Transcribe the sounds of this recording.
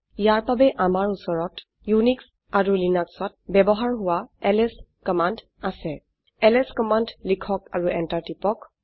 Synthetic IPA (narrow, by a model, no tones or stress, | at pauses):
ijaɹbabɛʔamaɹusɔɹɔt | juniks | aɹulinaksɔt̚bɛbɔɦaɹɦʊwaɛlɛskɔmand | asɛ | ɛlɛskɔmandlikʰɔkaɹuɛntaɹtipɔk